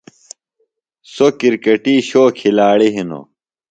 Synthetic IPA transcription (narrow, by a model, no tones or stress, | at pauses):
sokiɾkɐʈiːɕoːkʰilaːɭiɦino̰